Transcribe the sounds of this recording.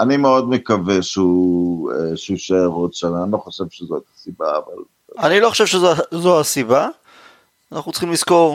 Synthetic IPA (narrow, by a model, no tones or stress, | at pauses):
animeod̪mekaveʃeueʃuʃeːʁodʃananilo̞χoʃevʃezot̪ḁsibaːva̰l | anilo̞χoʃevʃezoazoasiba | naχnutt͡sχimlisko̞ʁ